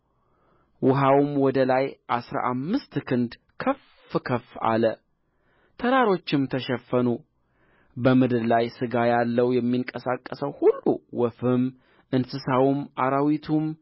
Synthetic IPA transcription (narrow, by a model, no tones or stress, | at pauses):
wʊɦawmwɔd̪əlajʔasɾa̰ʔamːɨst̪kʰɨnd̪ | kʰəf | kʰəfːa̰lə | t̪ʰəɾaɾo̞t͡ʃːɪmt̪ʰəʃɛfːənu | bəmɨd̪ɨllajsɨɡajalːəwjɛmːiŋkʼəsakʼːəsəwhulːṵwɔfɨm | ʔɨnsɨsawumʔaɾawit̪ʰum